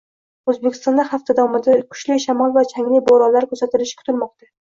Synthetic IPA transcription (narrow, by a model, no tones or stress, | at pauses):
ɵzbekʲʰɪ̥st̪ɒnd̪aχaft̪ʰad̪awɒmɪd̪akʰʊ̥ʃlɪʃamɒlˠvat͡ʃʰaŋlɪboɾɒlaɾkʰʲɵsat̪ɪlɪʃkʰʊ̥t̪ʰɪlmɒq̚t̪a